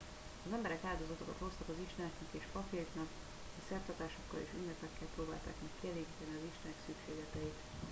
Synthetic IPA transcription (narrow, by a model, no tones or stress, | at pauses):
ɒzɛmbɛɾɛkaːld̪o̞zɒt̪o̞kɒ̰t̪ho̞st̪ɒkɒziʃt̪ɛɛknɛkeːʃpɒpeknɒk | ɒsɛrt̪ɒt̪aːʃo̞kːɒlḛːʃynːɛpɛkːɛlproːbaːlt̪a̰ːkmɛkkːiɛleːɡiːt̪ɛniɒziʃt̪ɛɛksykʃeːɡlɛt̪ɛit̪